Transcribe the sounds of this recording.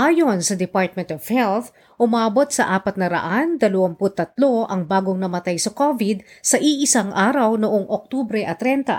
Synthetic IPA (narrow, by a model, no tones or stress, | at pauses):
ʔaːjo̞nsɐd̪ɛpaɹt̪̚mɛ̃nt̪ov̥hɛlθ | ʔʊmaːbo̞t̪sɐʔaːpɐt̪̚nɐɾɐ̰ʔand̪ɐlɐwɐmpʊt̪ːɐt̪̚lo̞ʔɐŋbaːɡoŋnɐmɐt̪ajsɐkovid̪̚sɐʔiʔɪsaŋʔaːɾɐwnoʔoŋʔok̚t̪ubɾɛʔɐt̪ɾɛnt̪ɐ̰